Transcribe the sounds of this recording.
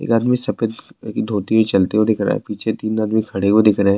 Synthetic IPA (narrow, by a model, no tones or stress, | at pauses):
ḛːkaːd̪misɐpet̪kid̪ʱoːt̪iɦot͡ʃɐlt̪eɦod̪ɪkʰɾa̰ːɛ̰piːt͡ʃʰet̪iːnaːd̪mikʰɐɽekod̪ɪkʰɾɐɦɛ̃